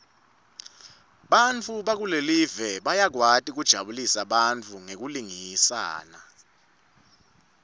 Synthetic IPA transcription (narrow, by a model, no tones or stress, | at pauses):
ɓant͡fʰuɓak̬ulelivɛɓajak̬watʼik̬ud̥ʒ̥ʱa̰ɓulisaɓant͡fʰuŋek̬uliŋisa̰ːna